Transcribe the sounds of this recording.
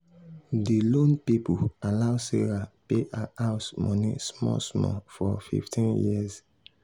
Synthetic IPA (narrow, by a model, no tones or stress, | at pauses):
dilõnpipualaʊseɹapeʔaʔaʊsmɔ̃nismɔ̰smɔfɔfḭftĩnjiz